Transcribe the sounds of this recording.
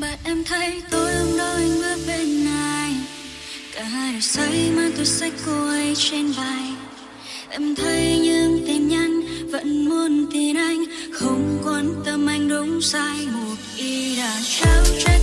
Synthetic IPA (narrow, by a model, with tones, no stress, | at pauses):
ɓa̰ː˧˨nʔɛ˧mt̪ʰə˨˦jt̪o˧jʔə˧ŋ͡mɗə˧ŋvəː˨˦ɓe˧˩nːa˨˩j | kaː˨˩haː˧˩˨sə˨˦jmaː˧˩t̪o˧sa˦˥jk̟̚kːo˧˩ʔə˨˧˦jt͡ɕe˧nɓa˧˩j | ʔɛ˧mt̪ʰə˨˧˦jɲɨ˧ŋt̪i˨˩mɲa˧jŋ̟və̰˧˥nmo˧nt̪i˨˩nʔa˧jŋ̟xə˧˩wŋ͡mkwə˨˦nt̪ə˧mʔa˧jŋ̟ɗʊ˨˦ŋ͡msaː˧jmu˨˩t̚ʔi˧ɗaː˨˩t͡ɕa˧˦wt͡ɕa˧˥